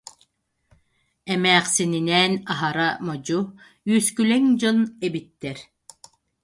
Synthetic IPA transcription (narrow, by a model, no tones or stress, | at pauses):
ɛmæːqsininɛːnaɦaɾamɔd͡ʑu | jyːskylɛŋd͡ʑɔnɛbit̪ːɛɾ